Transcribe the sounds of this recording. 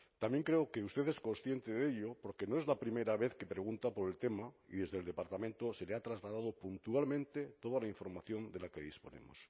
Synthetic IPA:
t̪ambje̞ŋkɾe̞okeust̪e̞θesko̞nsθje̞nt̪eðe̞ʎopo̞ɾke̞noe̞zlapɾimejɾaβe̞θke̞pɾe̞ɣunt̪apo̞ɾe̞lt̪e̞maḭðe̞zðe̞ld̪e̞paɾt̪amẽnt̪ose̞leat̪ɾazɣlað̞aðopunt̪ualmẽnt̪e̞t̪o̞ð̞alaiɱfo̞ɾmaθjo̞nd̪e̞lake̞ðispo̞̰nḛmo̰s

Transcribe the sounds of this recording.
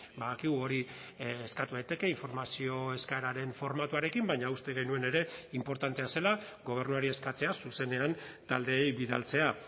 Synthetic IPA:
baðakiɣuo̞ɾi | eskat̪uðajt̪e̞ke̞iɱfo̞ɾmasio̞e̞skaeɾaɾe̞ɱfo̞ɾmat̪uaɾe̞kimbaɲaust̪e̞ɣ̞e̞jnue̞ne̞ɾe̞impo̞ɾt̪ant̪e̞ase̞la | ɡo̞β̞e̞ɾnuaɾie̞skat͡se̞asuse̞ne̞an | t̪ald̪e̞ːjβiða̰lt͡se̞a

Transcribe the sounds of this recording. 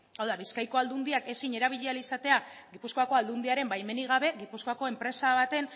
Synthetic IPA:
awðaβ̞iskajko̞ald̪und̪iake̞siɲe̞ɾaβ̞iʎealisat̪e̞a | ɡipusko̞ako̞ald̪uniaɾe̞mbajme̞niɣ̞aβe̞ɣipusko̞ako̞e̞mpɾe̞saβ̞at̪e̞n

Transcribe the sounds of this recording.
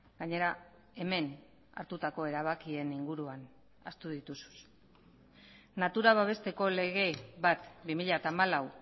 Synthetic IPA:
ɡaɲe̞ɾa | e̞me̞n | a̰ɾt̪ut̪ako̞e̞ɾaβ̞akie̞niŋɡuɾuan | a̰st̪uðit̪usu̥s | nat̪uɾaβ̞aβe̞st̪e̞ko̞le̞ɣe̞βat̪bimiʎat̪aːmalaw

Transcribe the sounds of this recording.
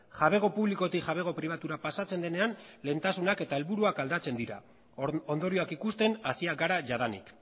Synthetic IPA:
ʝaβe̞ɣ̞o̞puβliko̞t̪iʝaβ̞e̞ɣ̞o̞pɾiβ̞at̪uɾapasat͡se̞nd̪e̞ne̞anle̞ːnt̪asunake̞t̪ae̞lβuɾuakald̪at͡se̞nd̪iɾa̰ | o̞nd̪o̞ɾio̞akikust̪e̞nasiaɡaɾaʝaðanḭk

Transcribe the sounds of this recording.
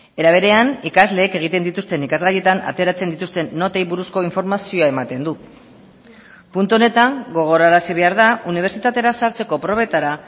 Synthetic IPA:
e̞ɾaβ̞e̞ɾe̞anikazle̞ːke̞ɣ̞it̪e̞nd̪it̪ust̪e̞nikazɣaje̞t̪ana̰t̪eɾat͡se̞nd̪it̪ust̪e̞nːo̞t̪e̞jβuɾusko̞iɱfo̞ɾmasio̞ae̞mat̪e̞nd̪u | punt̪uo̞ne̞t̪aŋɡo̞ɣ̞o̞ɾaɾasiβ̞e̞aɾðauniβ̞e̞ɾsit̪at̪e̞ɾasaɾt͡se̞ko̞pɾo̞β̞et̪aɾa

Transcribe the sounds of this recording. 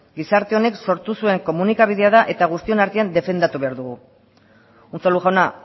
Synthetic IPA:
ɡisaɾt̪e̞o̞ne̞kso̞ɾt̪usue̞ŋko̞munikaβ̞iðe̞að̞aʔe̞t̪aɣ̞ust̪io̞naɾt̪iand̪e̞fe̞nd̪at̪uβe̞aɾðuɣu | unt͡saluxʝana

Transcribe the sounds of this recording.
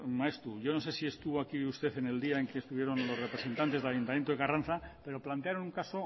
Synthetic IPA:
maest̪ɾuʝo̞nose̞sie̞st̪uβoakiust̪e̞θe̞ne̞ld̪iaeŋke̞ːst̪uβje̞ɾo̞nlo̞srepɾe̞sent̪ant̪e̞zðelajunt̪amjent̪oɣaran̟θape̞ɾo̞plant̪eaɾonuŋkaso

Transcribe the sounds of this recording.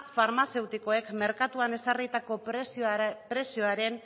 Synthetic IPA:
faɾmase̞wt̪iko̞e̞kme̞ɾkat̪uane̞sarit̪ako̞ | pɾe̞sioaɾe̞n

